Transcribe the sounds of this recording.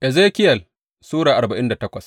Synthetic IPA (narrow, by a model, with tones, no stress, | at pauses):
ʔɛ˨zeː˦kʲɪ˦jɐ˨l | suː˦ɽaː˨ʔa˨ɾba˨ʔɪ˦nda˨tɐ˦kʷɐ˨s